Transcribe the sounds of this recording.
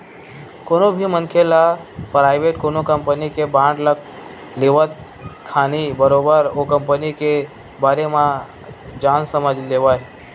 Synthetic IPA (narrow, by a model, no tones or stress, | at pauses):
konobʱimənkʰelapɾajʋeʈkonokəmpənikebãɳɖlək | leʋət̪̚ | kʰːanibəɾobəɾokəmpənike | baɾemã | d͡ʒansəməd͡ʒleʋaj